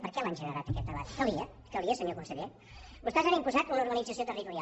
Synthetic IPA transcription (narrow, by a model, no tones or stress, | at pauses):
pəɾkɛlanʲʒənəɾat̪əkɛt̪d̪əβa̰t̪kəlˠiə | kəlˠiəsəɲokunsəʎe | bust̪ɛzanimpuzat̪unəuɾɣənid͡zəsijot̪ərit̪uɾia